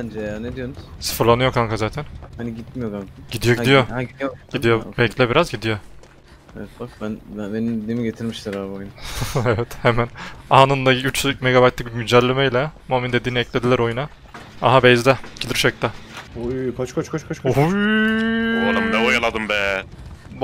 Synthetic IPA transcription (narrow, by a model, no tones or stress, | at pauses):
bnd͡ʒɛjaned̪ijonʊz̥sɯ̥fɯɾlˠanɯjo̞kʰaŋkʰazaːt̪ʰænhaniɟit̪̚mijoɡaŋɟ̥id̪ijoɟd̪ijo̞ɟ̥id̪ijobɛclʲɛbiɾazɟid̪ijo | eɛt̪bak̚bænbæbeninid̪iːmiɟet̪ʰiɾmiʃlɛɾaːbojunaevɛt̪hemænaɦanɯnd̪ayt͡ʃmeɡabajt̪lʲic̚bmyd͡ʒælʲːemejlʲɛmoamind̪e̞d̪iːniɛclʲe̞d̪ilʲæɾo̞juna | a̰ɦabɛjzd̪ɛɟ̥ilʲiɾʃɛc̚t̪aujkʰot͡ʃkʰot͡ʃkʰot͡ʃkʰot͡ʃkʰou | oalˠamd̪ɛojalˠad̪ɯmbɛ